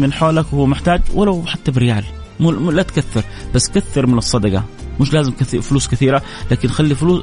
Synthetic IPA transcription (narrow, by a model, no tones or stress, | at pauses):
mɪnħaːlakwhʊwːmɪħt̪aːd͡ʒwalawħat̪ːabɪɾɪjaːl | mlat̪kaθːɪɾˤ | basːkaθːɪɾmɪnɨsˤːɑd̪ɑɡɑ̰mɪʃlaːzɪmkaθifʊluːskɪθiːɾa | laːkɪnxalːifʊluː